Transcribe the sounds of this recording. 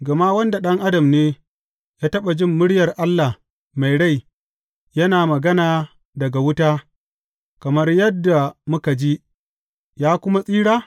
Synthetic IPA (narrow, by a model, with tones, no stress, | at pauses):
ɡɐ˨ma˦wɐ˦nda˨ɗɐ˦ŋʔa˦dɐ˨mneː˦ | jaː˦tɐ˦ɓa˨d͡ʒɪ˦mːʊ˦ɽjɐ˨rʔa˦lːa˨h | ma˨jɽa˦˨j | jɐ˦naː˨mɐ˨ɡɐ˦naː˨ | dɐ˨ɡa˨wʊ˦taː˦ | kɐ˨mɐ˦rjɐ˦dːa˨mʊ˦ka˨d͡ʒi˦ | jaː˦kʷʊ˦ma˦sʼiː˦ɽaː˦